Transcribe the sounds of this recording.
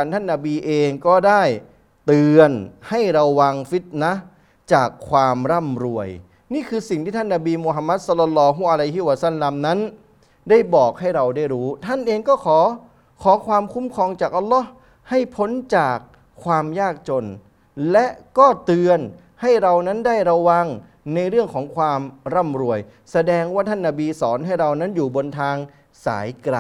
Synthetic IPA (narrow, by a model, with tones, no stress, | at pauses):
a˧nt̪ʰa˥˩nːa˧biː˧ʔeː˧ŋkɔː˥˩daː˥˩j | t̪ɯː˧ənha˥˩jɾa˧wːa˧ŋfi˦˥t̪̚na˦˥ | t͡ɕaː˨˩kʰːwaː˧mɾa˥˩mɾu˧˩əj | niː˥˩kʰɯː˧si˨˩ŋt̪ʰiː˥˩t̪ʰnːa˧biː˧mu˧ɦa˧mːa˦˥t̪̚sɔ˦˥lːɔ˧lːɔː˧ɦu˧˩ʔa˧la˧jɦi˦˥˩wa˧sa˥˩˨lːa˧mna˦˥n | daː˥˩jbɔː˨˩k̚ha˥˩jɾa˧wdaː˥˩jɾuː˦˥t̪ʰa˥˩nʔeː˧ŋkɔː˥˩kʰɔː˩˦ | kʰɔː˩˦kʰwaː˧mkʰu˦˥mkʰɔː˧ŋt͡ɕaː˨˩k̚ʔa˧lːɔː˦˥h | ha˥˩jpʰo˦˥nt͡ɕaː˨˩kʰː | waː˧mjaː˥˩k̚t͡ɕo˧n | lɛ˦˥ʔkɔː˥˩t̪ɯ˧ən | ha˥˩jɾa˧wna˦˥ndaː˥˩jɾa˧wa˧ŋ | na˧jɾɯ˥˩əŋkʰɔː˩˦ŋkʰwaː˧mɾa˥˩mɾu˧˩əj | sa˧dɛː˧ŋwaː˥˩t̪ʰa˥˩nːa˧biː˧sɔː˩˦nɦa˥˩jɾa˧wna˦˥njuː˨˩bo˧nt̪ʰaː˧ŋ | sa̰ː˩˦jkɾaː˨